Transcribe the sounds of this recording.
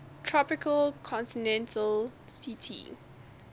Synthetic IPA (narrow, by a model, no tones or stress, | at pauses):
tʰɹɔpɪkʰəlkʰɔ̃ntinɛ̃ntʰəlsitʰḭ